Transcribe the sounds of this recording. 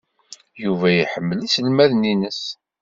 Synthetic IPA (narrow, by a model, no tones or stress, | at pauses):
juvæjiħəmːəlisəlmæðninəs